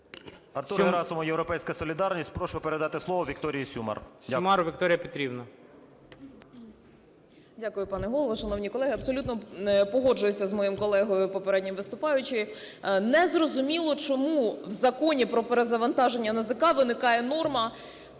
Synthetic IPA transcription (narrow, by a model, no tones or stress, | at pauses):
ɐrt̪uɾɾɑsʊmɔjewɾɔpɛjsʲkɐsɔlʲid̪ɑrnʲisʲtʲpɾɔʃʊpeɾed̪ɑt̪ɪslˠɔʋɔʋʲikt̪ɔɾʲijisʲumɐ̰rdʲmɑɾʋʲik̚t̪ɔɾʲɪjɐpʲit̪ʲɾʲibnɐ | dʲakʊjʊpɑnɛɦɔlˠɔʋɔʃɐnɔwnʲikɔlˠɛɦɪɐbsɔlʲut̪nɔpɔɦɔd͡ʒʊjʊsʲɐzmɔjimkɔlˠɛɦɔjʊpɔpeɾɛdʲnʲimʋɪst̪ʊpɑjʊt͡ʃɪ | nɛzrɔzʊmʲilˠɔt͡ʃɔmuwzɐkɔnʲipɾɔpeɾezɐʋɐnt̪ɑʒe̞nʲːɐnɐzɪkɑʋɪnɪkɑjɛnɔrmɐ